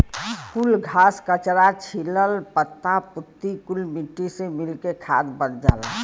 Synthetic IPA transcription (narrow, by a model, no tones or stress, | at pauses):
kulɡʱaːskət͡ʃɾat͡ʃʰiləlpət̪ːapʊt̪ːikulmiʈːisemɪlkekʰaːd̪bəɽd͡ʒa̰ːla̰